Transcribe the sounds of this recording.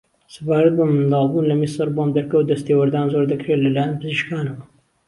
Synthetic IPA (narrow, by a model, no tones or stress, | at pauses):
sɨbaːɾɐt̪̚bɐmɨnd̪ɑːlˠbuːnlɐmisɨɾbomd̪ɐɾkɐwd̪ɐst̪eːwɐɾd̪aːnzoɾd̪ɐkɾelɐlaːjɐnpɨziʃkaːnɐwɐ